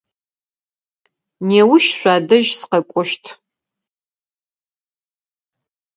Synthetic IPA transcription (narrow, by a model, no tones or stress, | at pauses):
neːwʊʃɕʷaːdɐʒsɨ̥qɐkʷʼɔʃtʰ